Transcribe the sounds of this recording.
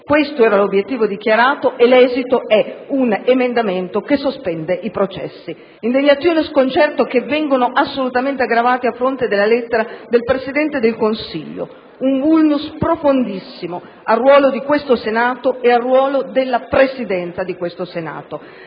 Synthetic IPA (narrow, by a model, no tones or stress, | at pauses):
kwest̪oɛːɾalobjet̪ːiːvod̪ikjaɾaːt̪oʔelɛːzit̪oɛunemend̪ament̪okesːospɛnd̪eʔipɾot͡ʃɛ̰sːi | ind̪eɲːat̪sːjoːneskont͡ʃɛrt̪okevːɛŋɡonoʔasːolut̪ament̪eaɡɾavaːt̪iafːɾont̪ed̪elːalɛt̪ːeɾad̪elpɾesid̪ɛnt̪ed̪elkonsiʎːo̰ | uɱvulnuspɾofond̪isːimo | arːwɔːlod̪ikwest̪osenaːt̪oearːwɔːlod̪elːapɾesid̪ɛnt̪sad̪ikwest̪osena̰ːt̪o